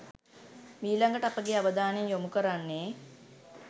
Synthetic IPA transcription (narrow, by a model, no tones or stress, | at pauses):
miːlaŋɡəʈəapəɡeaʋəd̪aːnejmjomukəɾanːeː